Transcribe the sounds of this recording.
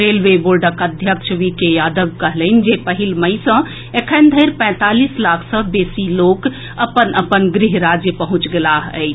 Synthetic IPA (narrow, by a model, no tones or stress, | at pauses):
ɾeːlʋeboːɾɖəkəd̪ʱjəkʃəʋikejaːd̪əʋkəɦləɪnd͡ʒepəɦilməɪsə̃ | ekʰənd̪ʱəɪɾpɛ̃ːt̪alislaːkʰsə̃beːsiloːk | əpənəpənɡɾɪɦɾad͡ʒjəpəɦʊ̃t͡ʃɡelaɦəːt͡ʃ